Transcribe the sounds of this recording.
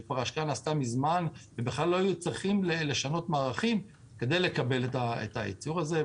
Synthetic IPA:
paʁaʃkanast̪amizmanvebeχlalːo̞ajut͡sʁiχimlele̞ʃano̞tmaːʁaχim | ke̞d̪e̞jle̞kabe̞letaḛt̪aḭt͡suʁaze̞

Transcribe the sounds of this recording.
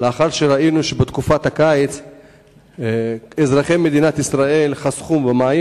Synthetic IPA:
leaχaʁʃeɾainuʃebet̪kufat̪akaet͡s | ezʁaχeme̞d̪inat̪isʁae̞lχasχumvemaːje

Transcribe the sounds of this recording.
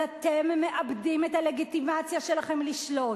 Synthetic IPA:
at̪emːe̞ʔabdimet̪ale̞ɡit̪imat͡sjaʃe̞laχe̞mliʃlo

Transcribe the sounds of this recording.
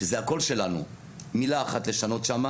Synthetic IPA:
ezeako̞lʃe̞lanṵ | milaːχat̪le̞ʃano̞t̪ʃama

